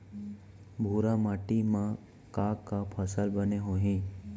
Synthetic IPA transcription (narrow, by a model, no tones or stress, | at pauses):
bʱuːɾamaːʈimã | kakapʰəsəlbəneɦoɦẽː